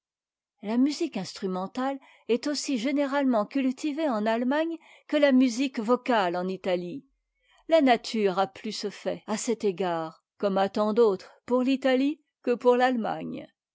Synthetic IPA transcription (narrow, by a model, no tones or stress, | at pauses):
lamyzikɛ̃st̪χymɑ̃t̪al | ɛt̪osiʒeneʁalmɑ̃kʲylt̪iveɑ̃nalmaɲ | kəlamyzikvɔkalɑ̃nit̪ali | lanat̪ʰyʁaplysəfɛasɛt̪eɡaːʁ | kɔmat̪ɑ̃d̪ot̪χpuʁlit̪ali | kəpuʁlalma̰ɲ